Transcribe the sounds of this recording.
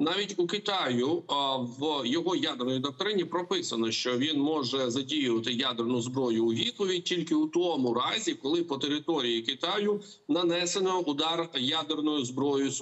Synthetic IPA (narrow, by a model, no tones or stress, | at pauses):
nɑʋʲitʲukɪt̪ɑjʊʋjɔɦɔjad̪ernɔjid̪ɐk̚t̪ɔɾɪnʲipɾɔpɪsɐnɔʃt͡ʃɔʋʲinmɔʒɛzɐdʲijʊʋɐt̪ɪjad̪ernʊzbɾɔjʊːʋʲit̪̚pɔʋʲitʲilʲkɪʊt̪ɔmʊɾɑzʲikɔlˠɪpɔt̪eɾɪt̪ɔɾʲijikɪt̪ɑjʊ | nɐnɛsenɔʊd̪ɑrjad̪ernɔjʊzbɾɔjʊs